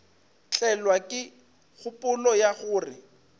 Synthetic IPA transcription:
t͡ɬʼɛlwakʼɪ | ɣʊpʼʊlɔjaɣʊːrɪ̰

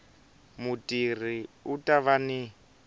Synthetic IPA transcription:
mutʼir̤iutʼaβani

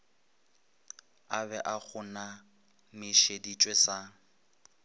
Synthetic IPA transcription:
abɛʔak͡xʰʊna | mɪʃedit͡ʃʼwesa

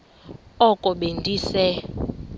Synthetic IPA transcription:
ɔkʼɔɓendʱʼiːsɛ

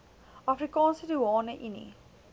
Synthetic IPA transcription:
afɾikɑ̃ːnsəduwɑːnəʔinḭ

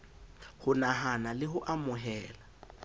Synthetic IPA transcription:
hʊnaɦanalɪɦʊʔamʊɦɛːla

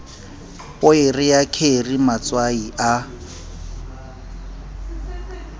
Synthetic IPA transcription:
pʊerɪjakʰerimat͡swaiʔa

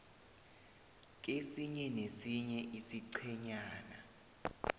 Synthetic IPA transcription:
k̬ʼesiɲɛnesiɲɛʔisiǀʰɛɲaːna

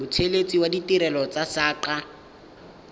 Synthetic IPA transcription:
ʊt͡sʰelet͡sʼiwaditiɾɛlɔt͡sasaːǃa

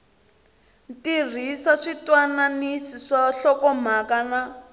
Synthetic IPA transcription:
tir̤isaʂitwananisiʂaɬɔkɔm̤akana

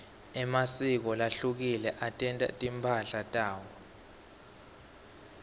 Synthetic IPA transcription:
ɛmasik̬ɔlaɬuk̬ilɛʔatʼɛntʼa̰tʼimpʰaɬatʼaːwɔ

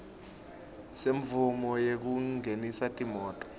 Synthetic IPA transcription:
seɱvumɔjek̬uŋenisatʼimɔːtʼɔ̥

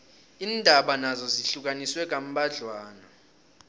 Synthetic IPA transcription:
iːndʱaɓanazɔziɬuk̬ʼaniswɛk̬ʼam̩ɓʱaɮwaːna

